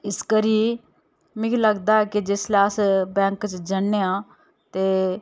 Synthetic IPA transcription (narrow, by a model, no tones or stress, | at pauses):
ɪskəɾiː | mĩkiləɡd̪aːɛːkid͡ʒɪslaːəsbɛ̃ːŋkt͡ʃd͡ʒənːeːãː | t̪eː